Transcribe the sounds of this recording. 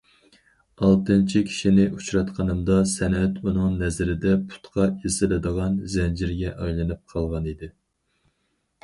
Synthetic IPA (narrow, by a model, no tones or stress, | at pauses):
ɑlˠt̪ɨnt͡ʃʰikʲʰi̥ʃinɪʔut͡ʃɾɑt̪qʰɑnɨmd̪ɑsɛnɛt̪unɨŋnɛzɾɪd̪ɛpʰu̥t̪qʰɑizɨlɨd̪əʁɑnzɛnd͡ʒiɾɡʲɛʔɑjlˠɨnɨp̚qʰɑlˠʁɑnid̪ɪ